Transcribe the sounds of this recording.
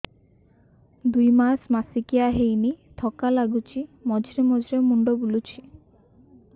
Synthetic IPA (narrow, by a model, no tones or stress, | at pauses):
d̪ujmasmasikijaɦejnit̪ʰɔkalaɡut͡ʃʰimɔd͡ʒɾemɔd͡ʒɾemuɳɖobulut͡ʃʰi̥